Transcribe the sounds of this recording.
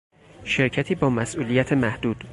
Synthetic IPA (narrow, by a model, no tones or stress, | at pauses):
ʃe̞ɾcʰæt̪ʰiːbɒːmæsʔuːlijæt̪ʰemæhd̪̥uːd̪̥